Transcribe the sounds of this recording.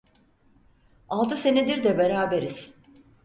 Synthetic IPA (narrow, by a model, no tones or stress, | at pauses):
alˠd̪ɯse̞ned̪iɾd̪ɛbe̞ɾaːbe̞ɾiz̥